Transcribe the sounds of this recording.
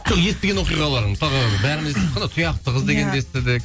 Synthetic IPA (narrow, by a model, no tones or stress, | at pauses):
ʒ̥oqje̞st̪eɡʲenoqijʁɑlˠɑɾəɴməsɑʁəbæɾɪmɪzt̪ʰep̚qʰːɑnɑt̪ʰʊjɑqt̪əʁəzd̪e̞ɡʲe̞nd̪eest̪ed̪ɪk